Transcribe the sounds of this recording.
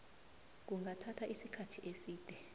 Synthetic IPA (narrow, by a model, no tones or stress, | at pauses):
k̬uŋʱatʰatʰaʔisikʰatʰiʔesiːd̥ʱɛ